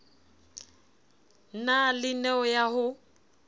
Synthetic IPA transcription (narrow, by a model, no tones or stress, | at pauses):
nalɪnɛɔjaɦʊ